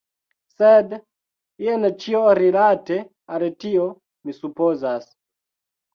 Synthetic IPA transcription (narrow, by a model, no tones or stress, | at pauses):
sed | ient͡ʃioɾilate | altio | misupozas